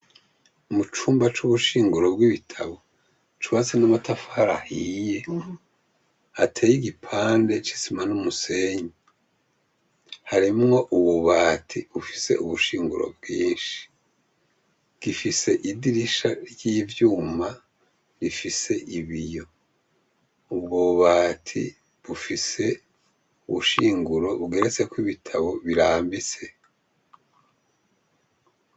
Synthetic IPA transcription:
mut͡ʃuːmbat͡ʃuβuʃiːŋɡuɾo̞bɡiβitʰaβo̞ | t͡ʃuβat͡senamatafaːɾahiːje̞ | atʰeːjiɡipʰaːnde̞t͡ʃi̥simanumuse̞ːɲe | haɾimŋo̞ʔuβuβaːtʰiufi̥se̞̰ʔuβuʃiːŋɡuɾo̞̰b̚ɡiːnʃi̥ | ɡ̥ifise̞ʔidiɾiʃaɾjiːvjuːma | ɾifise̞ʔiβijo̞ | ubɡoβaːtʰḭ | βufise̞ | uβuʃiːŋɡuɾo̞βɡe̞ɾet͡se̞kwiβitʰaβo̞βiɾaːmbit͡se̞

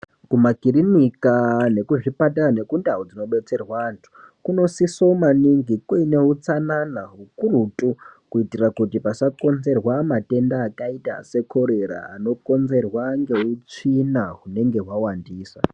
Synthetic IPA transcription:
kumakirinikane̞kuʐipatarane̞kundaɦod͡zino̞ɓe̞t͡se̞rwaːntʰu̥ | kuno̞sisomaniŋɡikuine̞ɦut͡sananaɦukurutʼukuitirakutipasako̞nze̞rwamate̞ndaːkaita̰se̞kʰo̞ɾe̞ɾa̰a̰no̞ko̞nze̞rwaŋɡe̞ut͡ʂinaɦune̞ŋɡe̞ɦwawandiːsa

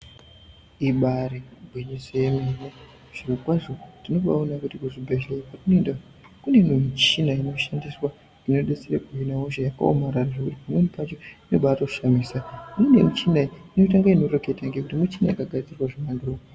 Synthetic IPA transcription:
iɓaɾibʱwiɲisememe | ʐ̥irokwaʐo̞tino̞ɓa̰onakutikuʐibʱeʒlepatinoenda | kune̞memut͡ʃinaino̞ʃandiswa | ino̞ɗet͡serekuɦinaoʒajaka̰o̰maɾaraʐekutipamwenipat͡ʃo̞ino̞̰ɓatouʃamisanenemut͡ʃinaiino̞taŋɡaino̞roke̞taŋɡe̞kutimut͡ʃinajakaɡʱad͡zirwaʐimanduroo

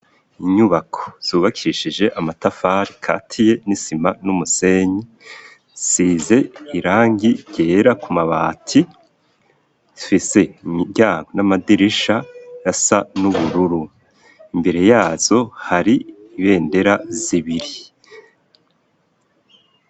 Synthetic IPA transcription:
iɲuβakʰo̞̥z̥uːβakʰiiʃid͡ʒe̞ʔamatafaɾikʰa̰tʰije̞nisimanumuse̞ɲi | size̞iɾaːŋɡiɟe̞ːɾakumaβaːtʰi | fise̞imiβɟaːŋɡonamadiɾiʃajasanuβuɾuɾu | imbe̞ɾe̞jaːz̥o̞haɾiiβe̞ːnde̞ɾaziβiɾi

